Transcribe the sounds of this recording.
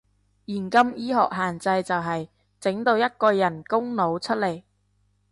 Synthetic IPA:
jiː˨˩nkɐ˥mjiː˥ɦɔ̰ː˨k̚ɦaː˨nt͡sɐ˧jt͡sɐ˨wɦɐ˨j | t͡sɪ˨˥ŋt̪o˧wjɐ˥t̚kɔː˧jɐ˨˩nkʊ˥ŋno˨˧wt͡ʃʰɵ˥t̚le˨˩j

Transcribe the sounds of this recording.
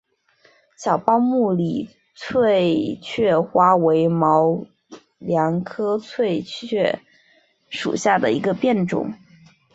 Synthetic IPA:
ɕjɑ˨˩ʊpɑ˥ʊmu˥˩li˨˩ | t͡sʰwe˥˧ɪt͡ɕʰɥɛ˥˩xwa˥we˧˥ɪmɑ˧˥ʊ | ljɑ˧˥ŋkʰɤ˥t͡sʰwe˥˧ɪt͡ɕʰɥɛ˥˩ | ʂṵ˨˩ɕja˥˩d̪ə̰˩i˧˥ɡə˧pjɛ˥˩nʈ͡ʂʊ̰˨˩˦ŋ

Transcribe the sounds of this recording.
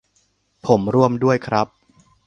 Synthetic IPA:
pʰo˩˦mɾu˥˩əmdu˥˩əjkʰɾa˦˥p̚

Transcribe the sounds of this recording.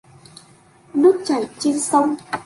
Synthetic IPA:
nu˦˥t̚t͡ɕa˨˧˩jt͡ɕe˧nsə˧wŋ͡m

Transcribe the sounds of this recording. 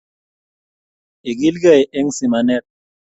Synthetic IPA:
e˨ɡi˦lɡa˦˨jʔe˦ŋsi˨ma˨nɛ˦˨t̚

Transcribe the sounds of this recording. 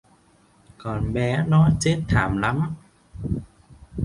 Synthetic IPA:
kɔ˨˩nɓɛ˨˦nɔ˨˦t͡ɕe˦˥t̚t̪ʰːaː˩˦mla˨˦m

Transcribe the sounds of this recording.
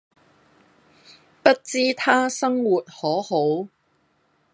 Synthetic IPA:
pɐ˥t̚t͡siː˥t̪ʰaː˥sɐ˥ŋwuː˨t̚hɔː˨˥ho˨˥w

